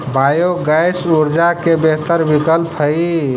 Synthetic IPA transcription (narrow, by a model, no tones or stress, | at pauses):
bajoɡajsuɾd͡ʒakebeɦt̪əɾbikəlpʰɦəi